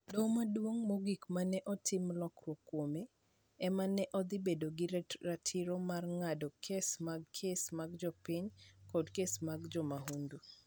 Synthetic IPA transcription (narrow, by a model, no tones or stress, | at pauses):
domadwoŋmoɡikmanɛʔɔtʰɪmlɔkrwokːwome | ɛmanɛʔɔd̪ɪbedoɡɪɾatʰɪɾomarŋadɔkʰesmaɡkʰesmaɡd͡ʒɔpiɲkɔdkesmaɡd͡ʒɔmaɦundu